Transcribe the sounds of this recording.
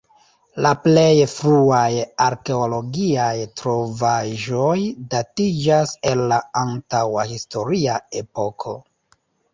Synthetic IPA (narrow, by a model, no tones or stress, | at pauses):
laple̞jfɾuajaɾke̞olo̞ɡiajtɾo̞vaʒo̞jdatid͡ʒase̞llaantawahisto̞ɾiae̞po̞kʰo̞